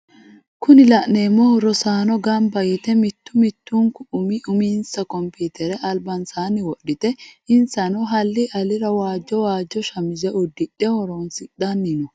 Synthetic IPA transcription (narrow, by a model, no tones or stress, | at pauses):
kʊnɪlɐʔneːmːɔɾɔsaːnɔɡɐmbɐjɪt̪ɛmɪt̪ːʊmɪt̪ːuŋkʊʔʊmɪʊminsɐkɔmpuːt̪ɛɾɛʔɐlbɐnsaːnːɪwɔɗːɪt̪ɛɪnsɐnɔɦɐlːɪʔɐlɪɾɐwaːd͡ʒːɔwaːd͡ʒːɔʃɐmɪzɛʊd̪ːɪᶑɛhɔɾɔnsɪɗɐnːɪnɔ